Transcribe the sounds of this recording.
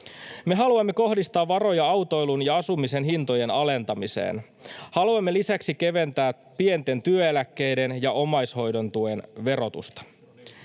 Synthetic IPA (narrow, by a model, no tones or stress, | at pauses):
me̞ɦɑluɑmːe̞ko̞ɦdist̪ɑːʋːɑro̞jɑɑwt̪o̞jlunjɑɑsumise̞nɦint̪o̞je̞nɑle̞nt̪ɑmisḛːn | hɑluɑmːe̞lisæksik̟e̞ʋe̞nt̪æː | pie̞nt̪e̞nt̪yøelækːe̞jde̞njɑʔo̞mɑjsho̞jdo̞nt̪uenʋe̞ɾo̞t̪ṵst̪ɑ̥